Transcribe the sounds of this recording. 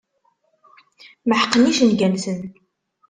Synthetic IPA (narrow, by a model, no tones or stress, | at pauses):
məħəqːəniʃənɡænsən